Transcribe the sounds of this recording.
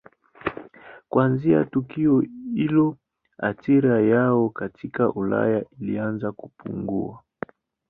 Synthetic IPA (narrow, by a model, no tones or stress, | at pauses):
kwanzia̰tukiɔilɔ | a̰tiɾajaɔkatʰikaʔula̰jailianzakupṵŋɡṵa